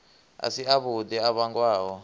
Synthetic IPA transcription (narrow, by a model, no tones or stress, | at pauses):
a̰siaβudɛaβaŋkwaːwɔ